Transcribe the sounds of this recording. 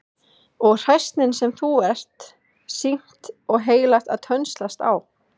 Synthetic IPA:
ɔɣr̥ajst̪nɪnsɛmθuɛr̥t̪ | siŋ̥t̪ɔɣɦeːjlaht̪aðt̪ʰœnst̪last̪a̰w

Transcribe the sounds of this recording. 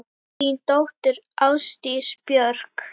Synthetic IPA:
int̪ɔht̪ʏɾʔaːwst̪ispjœɾk

